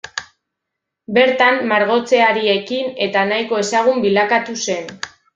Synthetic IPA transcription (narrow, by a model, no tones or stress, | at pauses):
be̞ɾt̪amːaɾɣ̞o̞t͡se̞aɾie̞kine̞t̪anajko̞e̞saɣ̞umbilakat̪use̞n